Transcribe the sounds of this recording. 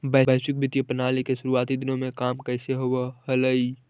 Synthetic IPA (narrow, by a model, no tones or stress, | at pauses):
bəəɪsɪk̚bɪt̪jəpənaːlikeʃʊɾuaːt̪id̪ɪnõmẽkaːmkəɪseɦowahɐləi